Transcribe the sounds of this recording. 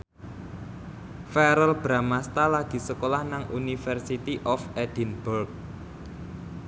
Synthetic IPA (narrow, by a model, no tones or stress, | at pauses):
fɛɾəlb̥ɾamast̪alad̪̥i̤səkolahnaŋʔunifɛrsit̪iʔɔfɛd̪̥inb̥ɔrk̚